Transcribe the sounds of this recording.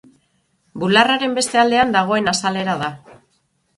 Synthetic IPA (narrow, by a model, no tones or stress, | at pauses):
bularaɾe̞mbe̞st̪e̞ald̪e̞and̪aɣ̞o̞e̞nasale̞ɾaða